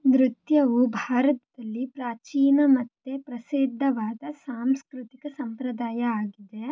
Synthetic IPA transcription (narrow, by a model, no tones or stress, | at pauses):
d̪ɾut̪jɐʋubʱaːɾɐt̪ɐd̪ɐlːipɾaːt͡ʃiːnɐmɐt̪ːepɾɐsid̪ʱːɐʋaːd̪ɐsaːmskɾut̪ikɐsɐmpɾɐd̪aːjɐaːɡid̪e